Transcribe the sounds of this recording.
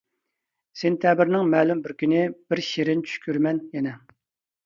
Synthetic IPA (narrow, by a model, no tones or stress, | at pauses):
sent̪ʰɛbɪɾnɪŋmɛːlymbɪɾkʲʰynɪb̥ɪɾʃeɾɪnt͡ʃʰy̥ʃkʲyɾmɛnjɛnɛ